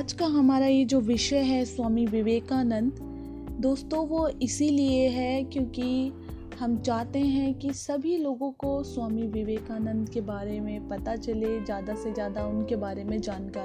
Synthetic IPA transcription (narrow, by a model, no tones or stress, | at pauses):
aːd͡ʒkaɦɐmaːɾajed͡ʒoːʋɪʃəɦɛswaːmiʋɪʋeːkaːnə̃nd̪ | d̪oːst̪õʋoɪsilieɦɛkjõːki | hɐmt͡ʃaːɦt̪eɦɛ̃kisɐbʱiloːɡõkoswaːmiʋɪʋeːkaːnə̃nd̪ʱkebaːɾemẽpɐt̪at͡ʃɐlezjaːd̪asezjaːd̪aʊnkebaːɾemẽd͡ʒaːnkaːɾ